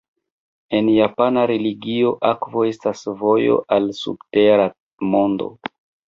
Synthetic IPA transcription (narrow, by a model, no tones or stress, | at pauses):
e̞njapanaɾeliɡio̞ʔakvo̞e̞stasvo̞jo̞̰ʔalsṵbte̞ɾa | mo̞ndo̞̰